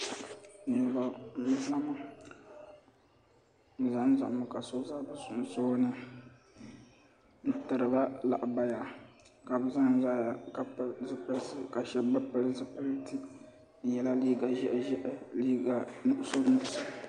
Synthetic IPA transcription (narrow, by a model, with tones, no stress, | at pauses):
nʊ˨ba˨˦˨i˦la˦ma˦ | bɨ˨za˦n˦za̰˨ʔmɨ˨ka˨so˦za˦bɨ˦sʊ˨n˨so˦nɨ˦ | n̩˨tɨ˨ɾɨ˨ba˦la̰˨ʔba˦ja˨ | ka˨bɨ˦za˦ŋ˦za˦ja˨ka˨pzɨ˦pɨ˦lsɨ˦ka˨ʃɛ˦bɨ˦pɨ˦lɨ˦zɨ˦pɨ˦lɨ˦ti˦ | n̩˦jɛ˦la˦liː˦ɡa˨ʒɛ̰˦ʔʒɛ˦ʔliː˦ɡa˨nʊ˦ʔʊ˦so˦nʊ˦˨ʊ˦sɨ˦